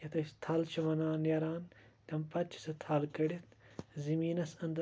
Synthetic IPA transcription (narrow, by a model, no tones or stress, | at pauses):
jɐt̪ɐst̪ʰɐlt͡ʃʰiʋɐnaːnɐɾaːnt̪ʲɐmpɐt̪̚t͡ʃʰi̥sɐt̪ʰɐlkɐɽit̪ʰzimiːnɐsɐnd̪